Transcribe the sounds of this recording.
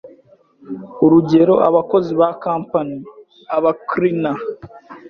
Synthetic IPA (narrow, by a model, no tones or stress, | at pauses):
uɾuɟe̞ɾo̞ʔaβako̞ziβakaːmpani | aβakɾina